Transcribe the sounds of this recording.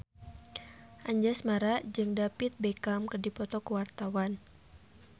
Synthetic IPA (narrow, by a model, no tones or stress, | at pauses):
ʔaɲd͡ʒasmaɾad͡ʒɨŋdapɪt̪̚bekamkərdipɔt̪ɔkəwart̪awan